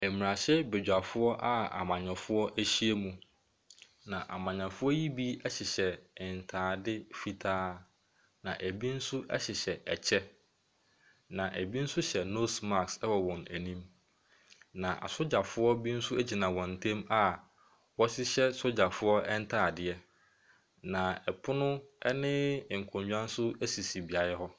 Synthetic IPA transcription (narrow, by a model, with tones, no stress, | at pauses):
æ˨mi˨ɾa˨ɕɛ˦be˨d͡ʑᶣa˨fʊ˦ɔ˦ʔa˦a̰˨mã˨ɲã˨fʊ˦ɔ˦ʔæ˦ɕi˦e˦mũ˨ | nã˨ʔa̰˨mã˨ɲã˨fʊ˦ɔ˦ji˦bi˦ɛ˦ɕɪ˨ɕɛ˨ɪ˨n̩˨tʰaː˨dɪ˦fi˨tʰaː˦ | nã˨ʔæ˨bi˦n̩˦sʊ˦ʔɛ̰˦ɕɪ˨ɕɛ˨ɛ˨t͡ɕʰɛ˦ | nã˨ʔæ˨bi˦n̩˦sʊ˦ɕɛ˨no˦sma˨ksɛ˦wɔ˨wɔ̃˨næ˨nĩ˦m | nã˨ʔa̰˨sʊ˦d͡ʑa˨fʊ˦ɔ˦bi˦n̩˦sʊ˦æ˦d͡ʑi˨nã˨wɔ̃˨n̩˨tʰɛ̃˦ma˦ | wɔ˦ɕɪ˦ɕɛ˦so˦d͡ʑa˨fʊ˦ɔ˦ʔɛ˦n̩˦tʰaː˦˨dɪ˦˨ɛ˦ | nã˨ɛ˨pʰʊ˦nʊ̃˦ɛ˦nɪ̃˦˨ŋ̩˨kʰʊ̃˨ɲɲᶣã˦n˦sʊ˦æ˦si˨si˨bi˨a˨jɛ˦ɦɔ˦